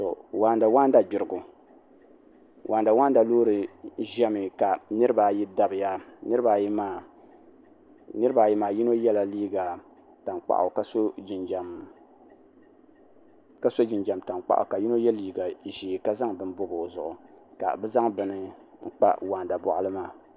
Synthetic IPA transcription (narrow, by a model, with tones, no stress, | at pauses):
to˨waː˨nda˨waː˦n˦da˨ɡ͡bɪ˨ɾɨ˨ɡʊ˨ | wʔa˨nda˨wa˦n˦da˨loː˦ɾɨ˨ʒɛ˦mɨ˨ka˨nɨ˦ɾɨ˦ba˨ji˦da˨bɨ˨ja˦nɨ˦ɾɨ˦ba˨ji˦maː˦˨ | nɨ˦ɾɨ˦ba˨ji˦maː˨ji˦no˦jɛ˦la˨liː˦ɡa˨ | ta˨ŋk͡pa̰˨ʔʊ̰˨ka˦so˦d͡ʒi˨nd͡ʒa˨m | ka˦so˦d͡ʒɪ˨nd͡ʒa˨mta˨nk͡pa̰˦ʔʊ̰˨ka˨ji˦no˦jɛ˦liː˦˨ɡa˨ʒiː˨ka˦za˦ŋbɨ˨n˦bo˦bo˨zʊ˨ʔʊ˨ka̰˨bɛ˦za˦ŋbɨ˨nɨ˨ŋ̩˦k͡pa̰˦waː˨nda˨bɔ̰˨ʔʊ̰˨lɨ˦maː˦